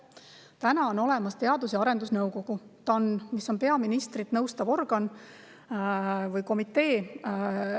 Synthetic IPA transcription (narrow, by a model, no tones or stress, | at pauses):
t̪ænɑo̞no̞le̞mɑst̪e̞ɑd̪usjɑɾe̞nd̪usnɤwko̞ɡ̥ut̪ɑnmisːo̞npe̞ɑminist̪ɾit̪nɤwst̪ɑvo̞rɡ̥ɑn | vɯjko̞mit̪ːˑe̞ː